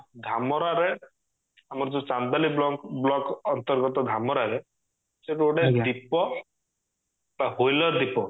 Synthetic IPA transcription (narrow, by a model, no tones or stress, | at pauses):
d̪ʱamɔɾaɾe | amɔɾɔd͡ʒɔ̃t͡ʃand̪alibɔblɔkɔnt̪ɔɾɡɔt̪ɔd̪ʱamɔɾaɾe | seʈoɽed̪ipɔ | t̪aɦojlɔd̪ipɔ